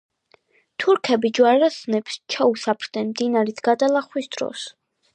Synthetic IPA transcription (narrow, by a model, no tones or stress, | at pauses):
t̪ʰuɾkʰɛbid͡ʒwaɾasnɛpst͡ʃʰausapʰɾd̪̥nɛnmd̪inaɾisʰɡ̥ad̪alˠaχwisd̪̥ɾɔ̰s